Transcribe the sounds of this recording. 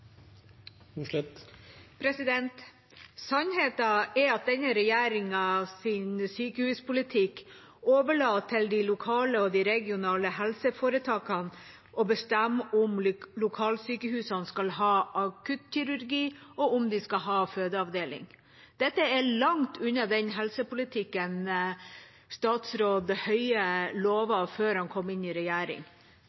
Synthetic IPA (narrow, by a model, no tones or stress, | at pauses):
pʰɾɛsɪd̪ɛnt̪ | sɑnɦeːt̪ɑɛɾɑt̪̚d̪ɛnːəɾɛjæːɾɪŋɑsɪnsyːkəhʉːspʰʊlɪt̪ʰɪk | oːʋəɭɑːt̪ʰːɪld̪ɪlʊkʰɑːləɔd̪ɪɾɛɡɪʊnɑːləhɛlsəfoːɾət̪ʰɑːkɑn | ʔɔbəst̪æmːʊmlʊkʰɑːlsyːkəhʉːsɑnskɑlɦɑːʔɑkʰʉt̪çʏɾʉɾɡiːɔʔʊmd̪ɪskɑɦɑːføːd̪əɑʋd̪eːlɪ̰ŋ | d̪̥ɛt̪ːəɛɭɑŋt̪ʰʉnːɑd̪ɛnɦɛlsəpʊlɪt̪ʰɪkːən | st̪ɑːt̪sɾoːd̪hœʏəloːʋɑføːɾhɑnkʰɔmːɪnɪɾɛjæːɾɪ̰ŋ